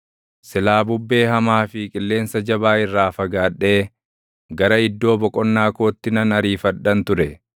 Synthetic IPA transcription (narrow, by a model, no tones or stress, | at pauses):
sɪlaːbʊbːe̞ːɦɐmaːfɪkʼɪlːe̞ːnsɐd͡ʒɐbaːɪrːaːfɐɡaːᶑe̞ː | ɡɐɾɐɪd̪ːo̞ːbɔkʼɔnːaːko̞ːt̪ːɪnɐnɐɾiːfɐᶑɐnt̪ʊɾɛ